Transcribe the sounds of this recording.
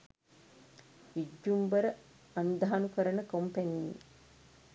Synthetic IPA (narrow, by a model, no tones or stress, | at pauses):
id͡ʒːumbəɾə | and̪aɦanukəɾənəkompænii